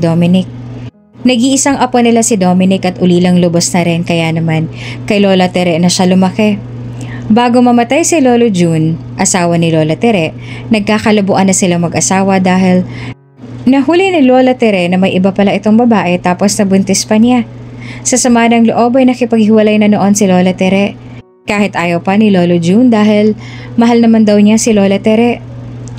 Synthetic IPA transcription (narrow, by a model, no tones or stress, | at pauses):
d̪oːmɪnɪk̚ | nɐɡiʔɪsaŋʔɐponɪlasɪd̪o̞ːmɪnɪkʔɐt̪̚ʔʊliːlɐŋlʊbosnɐɾɛnkɐjanɐman | kɐjlo̞ːlɐt̪ɛɾɛnɐʃalʊmɐkɛ | baːɡo̞mɐmɐt̪ajsɪlo̞ːlod͡ʒun | ʔɐsaːwɐnɪlo̞ːlɐt̪ɛɾɛʔ | nɐɡ̚kaːkɐlɐbʊʔanɐsɪlaŋmɐɡʔɐsaːwɐd̪aːɦɪl | nɐhuːlɪnɪlo̞ːlɐt̪ɛɾɛnɐmɐjʔɪbapɐlaʔɪt̪o̞ŋbɐbaːʔɛt̪aːposnɐbʊnt̪ɛspɐɲasɐsɐmaːnɐŋloʔo̞bɐjnɐkɪpɐɡ̚hɪwɐlajnɐno̞ʔo̞nsɪlo̞ːlɐt̪ɛɾɛʔ | kaːhɪt̪ʔaːjɐwpɐnɪloːlod͡ʒund̪aːɦɪl | mɐɦalnɐmand̪ɐwɲasɪlo̞ːlɐt̪ɛɾɛʔ